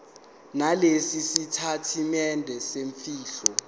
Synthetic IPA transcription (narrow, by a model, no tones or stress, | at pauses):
nalesisitʰatʰimɛndʱɛseɱfiːɬɔ